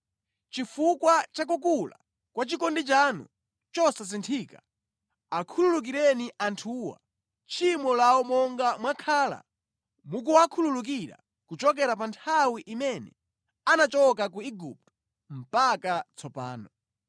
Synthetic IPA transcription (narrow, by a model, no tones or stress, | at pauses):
t͡ʃifukwat͡ʃak̬ukula̰ | kwat͡ʃikɔndit͡ʃanṵ | t͡ʃɔsas̬intʰiːka | akʰululuk̬iɾɛniʔantʰuwa̰ | t͡ʃʰimɔlaɔmɔŋɡamwakʰaːla̰ | muk̬uwakʰululuk̬iɾa̰ | kut͡ʃɔk̬ɛɾapantʰawiʔimɛnɛ̰ | anat͡ʃɔkakuiɡṵp̚tɔ̥ | m̩pakat͡sʰɔpa̰ːnɔ